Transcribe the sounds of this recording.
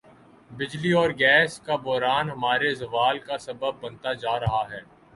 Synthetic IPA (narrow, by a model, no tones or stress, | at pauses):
bɪd͡ʒliɔːɾɡɛːskabɔːɾaːnɦɐmaːɾezɐʋaːlkasɐbəb̚ːɐ̃nt̪ad͡ʒaːɾɐɦaɦɛː